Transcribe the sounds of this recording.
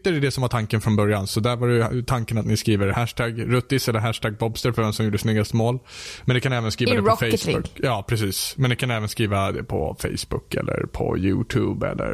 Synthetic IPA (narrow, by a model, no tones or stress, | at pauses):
t̪æɾɛd̪ɛsɔmvaʈʰaŋkənfɾɔnbœɾjansɔd̪æɾvaɾɛt̪ʰaŋkənat̪nɪskɾiːvəɾhæʂʈʰæɡɾɵt̪ːɪsɛlːəɾɦæʂʈʰæːɡ̚bɔbst̪əɾfœɾvɛmsɔmjuːɖəsnʏɡːast̪əmoːlmɛnd̪ɛkʰanɛːvənskɾiːvvadɛpɔfɛsʊjɑːpʰɾɛsiːsmɛnd̪ɪkʰanɛːvənskɾiːvad̪ɛ̰pʰɔ̰fɛ̰jsbʊ̰kːɛ̰lːə̰ɾpʰɔ̰jʉ̰ːt̪ʰʉːbɛ̰lːə̰ɾ